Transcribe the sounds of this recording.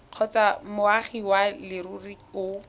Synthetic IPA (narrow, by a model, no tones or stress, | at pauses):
q͡χʰɔt͡samʊaχiwalɪɾuriʊ